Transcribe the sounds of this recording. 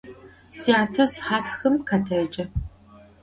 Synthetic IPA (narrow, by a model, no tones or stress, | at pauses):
siaːtʰɐsħaːtʰxɨmkʰaːtʰɐd͡ʒʼɐ